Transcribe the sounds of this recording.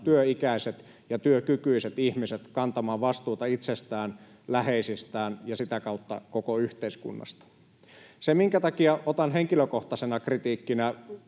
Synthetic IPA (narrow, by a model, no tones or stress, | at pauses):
t̪yøikæiset̪ | jɑt̪yøkykyiset̪ihmiset̪kɑnt̪ɑmɑːʋʋɑst̪uːt̪ɑit̪sest̪æːn | læheisist̪æːnjɑsit̪ækɑut̪ːɑ̰kokoyht̪eiskṵnːɑ̰st̪ɑ̥ | semiŋkæt̪ɑkiɑot̪ɑnɦeŋkiløkoht̪ɑsenɑkrit̪iːkːinæ